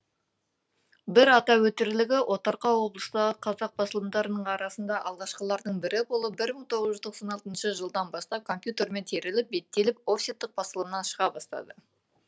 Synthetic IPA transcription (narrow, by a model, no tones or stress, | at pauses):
bɪɾɑt̪ɑwɵt̪ɪɾlɪɡʲɪʔo̞t̪ɑɾqɑwo̞blˠəst̪ɑʁəqʰɑzɑq̚bɑsəlˠəmd̪ɑɾənəɴɑɾɑsənd̪ɑʔɑlˠʁɑʃqəlˠɑɾd̪əɴbɪɾɪbo̞lˠəp̚bɪɾməɴt̪ʰo̞ʁəzʒʏzt̪ʰo̞qsɑnɑlˠt̪ənʃəʒəlˠd̪ɑnbɑst̪ɑp̚kʰo̞mpʲjut̪e̞ɾme̞nt̪ʰe̞ɾɪlɪp̚be̞t̪ːe̞lɪp̚o̞fsʲit̪ːɪq̚b̥ɑsəlˠəmnɑnʃəʁɑbɑst̪ɑ̰d̪ə